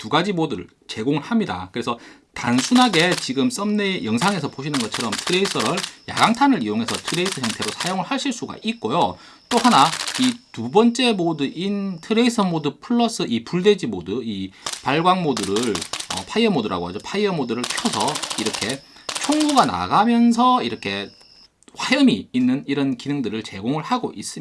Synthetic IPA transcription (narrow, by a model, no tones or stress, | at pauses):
tuɡad͡ʑimodɯɯɭ | t͡ɕe̞ɡoŋɯɭhamɲida̰kɯɾe̞sʰʌ | tansʰunɦaɡe̞t͡ɕiɡɯms͈ʌmne̞jʌŋsʰaŋe̞s̬ʰʌpoɕʰinɯnɡʌt͡ɕʰʌɾʌmtʰɯɾe̞isʰʌɾɯɭja̰ɡaŋtʰanɯɾijoŋɦe̞sʰʌtʰɯɾe̞is͈ʰʌjʌŋtʰe̞ɾosʰajoŋɯɭhaɭɕʰiɭs͈uɡa̰ʔik̚k͈ojo | t͈ohanaitubʌnt͡ɕ͈e̞modɯʔintʰɯɾe̞isʰʌmodɯpʰɯɭːʌs͈ɯʔipuɭde̞d͡ʑimodɯipaɭɡwaŋmodɯɾɯɭʌ̰pʰaiʌmodɯɾʔa̰ɡoɦad͡ʑopʰaiʌmodɯɾɯɭpʰjʌsʰʌiɾʌkʰe̞ | t͡ɕʰoŋɡuɡana̰ɡamjʌns̬ʰʌiɾʌkʰe̞ | ɸwajɯmiːnːɯniɾʌnkinɯŋdɯɾɯɭt͡ɕe̞ɡoŋɯɭhaɡo̰ʔis͈ɯmia